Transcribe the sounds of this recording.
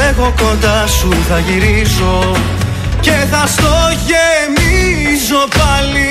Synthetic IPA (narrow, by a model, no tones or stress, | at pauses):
eɣo̞kond̪ɐsuθɐʝiɾizo̞ | ce̞θɐst̪oʝemi | zo̞pɐli